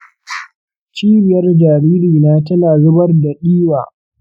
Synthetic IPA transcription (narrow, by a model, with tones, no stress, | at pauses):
t͡ʃiː˦bɪ˨jɐ˦rd͡ʒaː˨ɾiː˦ɾiː˨naː˦tɐ˦naː˨zʊ˦bɐ˦rdɐ˨ɗiː˦wa̰ː˨